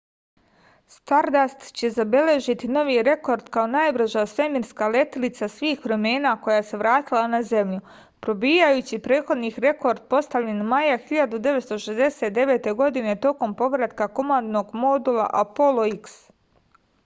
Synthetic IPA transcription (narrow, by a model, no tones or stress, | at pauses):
st̪aɾd̪ast̪t͡ɕe̞zabe̞le̞ʒit̪ino̞ʋiɾe̞ko̞ɾd̪kao̞naːjbr̩ʒaːsʋe̞miɾskale̞t̪ilit̪sasʋiːxpɾo̞me̞ːnako̞jaese̞ʋɾaːt̪ilˠanaze̞mʎu | pɾo̞biːjajut͡ɕipɾeːt̪xo̞d̪nixɾe̞ko̞ɾd̪̚po̞st̪aʋlʎe̞nmajaxiʎad̪ud̪e̞ʋet̪st̪oʃezd̪e̞se̞t̪̚d̪e̞ʋe̞ːt̪e̞ɡo̞d̪ine̞t̪o̞ko̞mpo̞ʋɾat̪kakomand̪no̞ɡmo̞d̪ulˠa̰ʔapo̞lˠo̞iks